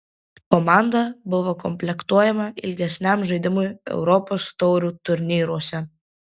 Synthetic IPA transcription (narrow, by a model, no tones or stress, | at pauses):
kɔmɑˑnd̪ɐbʊʋokɔmʲpʲlʲɛkt̪uɔjɛmɐɪ̰lʲɡʲɛsʲnʲæmʒɐɪd̪ʲɪmʊjɛ̰ʊɾɔpoːst̪ɔʊɾʲuːt̪ʊɾʲnʲiːɾuɔsʲɛ